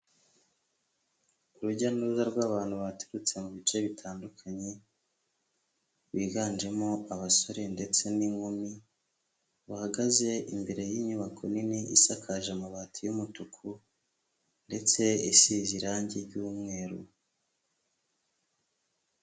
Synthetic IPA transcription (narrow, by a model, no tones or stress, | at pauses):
uɾuɟanuzaɾɡwaːβaːn̥huβateɾut͡se̞muβit͡ʃe̞βitʰaːndukʰaɲe̞ | βiːɡaːnd͡ʒe̞mo̞aβaso̞ɾe̞nde̞t͡se̞niŋomi | βuhaɡaze̞ʔimbe̞ɾe̞jiːɲuβakʰo̞niniʔḭsakʰaʒemuβatʰijumutukʰu | nde̞t͡se̞isiziɾaːɲɟeɾɟuːmŋe̞ːɾṵ